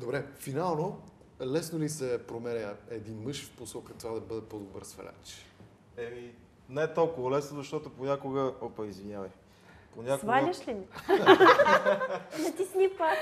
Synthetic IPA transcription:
d̪obɾɛfinalˠno | lɛsnolisɛpɾomɛɾʲəɛd̪inmɤʃfposɔkət̪ovad̪ɐbɤd̪ɛpod̪obə̰ɾsfɐ̰lʲʔa̰t͡ʃ | ɛmi | nɛt̪ɔlˠkʊvɐlɛsnozɐʃt̪ɔt̪ʊponʲakʊɡəɔpɐizviɲʲavəj | ponʲak̪valʲəʃlimi | nɐt̪isnipak

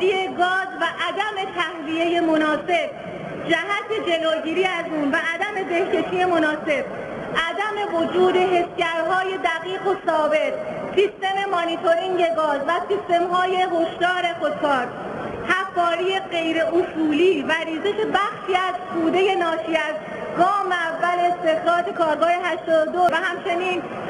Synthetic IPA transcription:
ieɡɒːzvæʔæd̪æme̞t̪ʰæhvie̞je̞mo̞nɒːse̞b̥̚ | d͡ʒæɦæt̪ʰe̞d͡ʒe̞loːɟiːɾiːæzuːnvæʔæd̪æme̞d̪e̞hcʰe̞ʃiːe̞mo̞nɒːse̞b̥̚ | ʔæd̪æme̞vod͡ʒuːd̪e̞ɦe̞sjæɾɦɒːje̞d̪æɣiːɣo̞sɒːbe̞t̪ | sist̪e̞me̞mɑnit̪ʰo̞ɾiŋɟe̞ɡɒːzvæsist̪e̞mɦɒːje̞ɦoʃt̪ɒːɾe̞kot̪kɒːɾ | hæfɒːɾiːje̞ɢe̞jɾe̞ʔosuːliːvæɾiːzeʃe̞bæxʃiæzkʰuːd̪e̞je̞nɒːʃiæz | ɡɒːmeævːæleːst̪e̞xɾɒːt̪ʰe̞kʰɒːɾɡɒːheɦæʃt̪ɒːd̪od̪ovæhæmt͡ʃʰe̞niːn

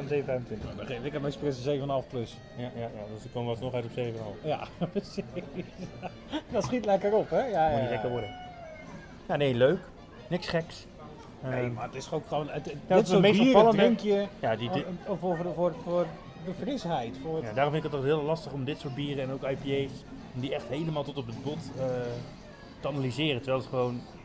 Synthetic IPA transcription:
nseːvənfɛjvəntʋɪntədeɪkɛmɛɛksprɪsəseːvənəɑlˠfpløs | jajajadøsdəkomasnɔχɛɥtɔpseːvənəɑ̰lˠfjapəsis | dɔtsχitlɛkəɾɔpɛjanilɛkəʋɔdə | janeːløɥk | nɪksχɛks | əmaətɪsokχonəttsomebiːfɑlˠəŋkjəjadifəfʊfʊr | dəfrɪsɦɛjtfʊjdaːrɔmfɪnɪkətɔɦɪːlˠlɑstəχɔmdɪtsʊːɹt̚biːrəɛnowkajpiejss | ɔmdiɛχtɦejləmaːlˠtɔtɔp̚dətbɔtə | təanalizɪːrəntəɹʋɛlˠətχəʋown

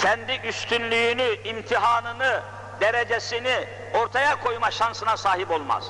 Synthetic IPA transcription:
cʰɛnd̪iʔyst̪ʰynlʲyjynyimt̪ʰiɦaːnɯnɯ | d̪eɾed͡ʒesini | o̞ɾt̪ʰajakʰo̞jmaʃansɯnasaːɦipo̞lˠma̰z̥

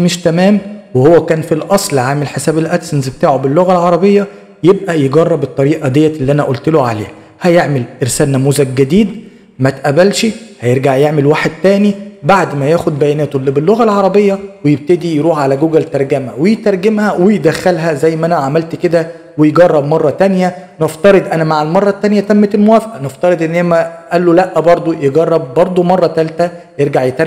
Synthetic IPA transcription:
meʃt̪æmæːmwehowːækæːnfilʔɑsˤlʕaːmelħesæːbelʔæt̪snzbet̪aːʕobelːoɣælʕɑɾˤɑbejːɑ | jeb̚ʔæjeɡɑrˤːɑbet̪ˤːɑɾiːʔɑd̪ejːæelːiʔænæʔolt̪eloʕalḛː | hæjeʕmelʔeɾsæːlnæmuːzæɡ̚ɡæd̪iːd̪ | mæt̪ʔæbælʃihæjeɾɡaʕjeʕmelwaːħed̪̚t̪æːnibaʕd̪mæjæːxod̪̚bæjænæːt̪oʔlːibelːoɣælʕɑɾˤɑbejːɑwejeb̚t̪ed̪ijɾuːħʕalæɡoɡælt̪ɑɾˤɡæmæwejt̪ɑɾˤɡemhæwejd̪æxːælɦæzæjːmæʔænæʕamælt̪ked̪æ | wejeɡɑrˤːɑb̚mɑrˤːɑt̪ænjæneft̪ɑɾed̪ˤʔænæmaʕelmɑrˤːɑt̪ːænjæt̪æmːæt̪elmowæːfʔæneft̪ɑɾed̪ʔenːemæʔælːolæʔːbɑɾˤd̪ˤojeɡɑrˤːɑb̚ːɑɾˤd̪ˤomɑrˤːɑt̪ælt̪æjeɾɡaʕjet̪æɾ

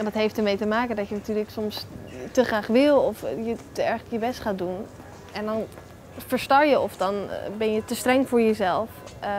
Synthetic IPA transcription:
jadɔtɦejftəɹmejtəmaːkəndɔtjənatyːrləksɔmstəχraːχʋɪlˠɔfjətəɛɹχəkjəbɛstχaːt̚dun | ɛndɔn | fəɹstɑɹjəɔfdɔnbɛnjətəstrɛŋvʊːɹjəzɛlˠf

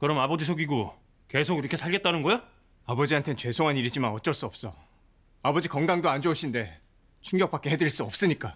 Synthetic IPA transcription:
kɯɾʌmabʌd͡ʑisʰoɡiɡo | ke̞sʰoɡiɾʌkʰe̞sʰaɭɡet̚t͈anɯnɡʌja | abʌd͡ʑiɦantʰe̞nt͡ɕwe̞sʰoŋɦaniɾid͡ʑimanʌt͡ɕ͈ʌɭs͈uʌp̚s͈ʌ | abʌd͡ʑikʌŋɡaŋdoand͡ʑʌuɕʰinde̞ | t͡ɕʰuŋɡjʌk̚p͈ak͈e̞ɦe̞dɯiɭs͈uʌp̚s͈ɯɲik͈a

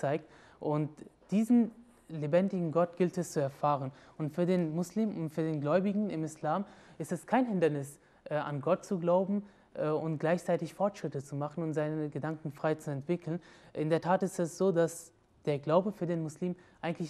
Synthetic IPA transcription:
t͡saɪk̚t | ʔʊntd̥iːzn̩ | lebɛndɪɡŋ̩ɡɔt̚ɡ̥ɪltɛst͡suɛɐfaːʁ̞ən | ʊntfyːɐdeːnmʊsliːmʊntfyːɐdeːnɡlɔʏbɪɡŋ̩ɪmɪslaːmʔɪstɛskʰaɪnɦɪndɐnɪs | ʔɛʔa̰nɡɔt̚t͡suɡlaʊbm̩ | ʔɛːʔʊntɡ̥laɪçt͡saɪtɪçfɔɐtʃʁ̥ɪtət͡sumaχn̩ʊntz̥aɪnəəɡədaŋkŋ̩fʁ̥aɪt͡suɛntv̥ɪkʰl̩nʔɪndeːɐtʰaːtɪstɛsz̥oːdas | d̥eːɐɡlaʊbəfyːɐdeːnmʊsliːmʔaɪɡŋ̩n̩tlɪç

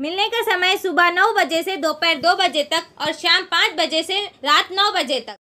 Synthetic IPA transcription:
mɪlnekasɐməjsʊbanɔʊbɐd͡ʒesed̪oːpɛːɾd̪oːbɐd͡ʒet̪ɐkɔːɾʃaːmpãːt͡ʃbɐd͡ʒeseɾaːt̪nɔːbɐd͡ʒet̪ɐk̚

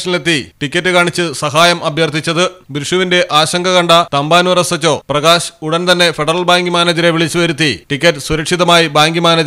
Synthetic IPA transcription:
ʂɐnile̞t̪ːiʈikʲːɐtːɨkaːɳit͡ɕːɨsɐɦaːjɐmɐbjɐrt̪ʰit͡ɕːɐðɨbɾuʂuʋinde̞ʔaːɕɐŋɡʱɐɣɐɳɖɐt̪ɐmbaːnuʋɐɾɐsɐt͡ɕːo̞ːprɐɣaːɕuɽɐnt̪ɐnːe̞feɖɐrɐlbaːŋɡimaːnɐd͡ʑɐɾe̞ʋiɭit͡ɕːuʋɐɾut̪ːiʈikʲːɐtːɨsuɾɐkʂiðɐmaːjibaːŋɡjimaːnɐd͡ʑ

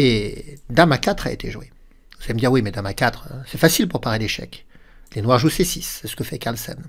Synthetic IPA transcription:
ed̪amakat̪χaḛt̪ʰeʒwe | vuz̥aleməd̪iʁwimɛd̪amakat̪χøsɛfasilpuʁpaʁeleʃɛ̰klenwaʁʒusesisːɛsə̥kəfɛkaʁlsɛ̰n

